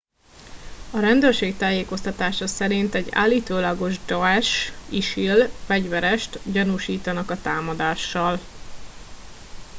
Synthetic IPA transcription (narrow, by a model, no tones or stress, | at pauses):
ɒɾɛnd̪øːrʃeːkt̪aːjeːko̞st̪ɒt̪aːʃɒsɛɾint̪ɛɟa̰ːlːiːt̪oːlɒɡo̞ʒd̪oɛʃiʃilfɛɟʋɛɾɛʃt̪ɟɒnuʃiːt̪ɒnɒkɒt̪aːmɒd̪aːʃːɒl